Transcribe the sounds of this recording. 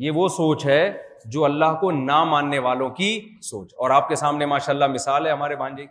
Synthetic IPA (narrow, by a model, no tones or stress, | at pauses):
jeʋosoːt͡ʃɦɛ | d͡ʒoːɐlːaɦkonamãːnːeʋaːlõkisoːt͡ʃɔːɾaːp̚kesaːmnemaːʃaːlːamɪsaːlɦɛɦɐmaːɾebʱãːnd͡ʒe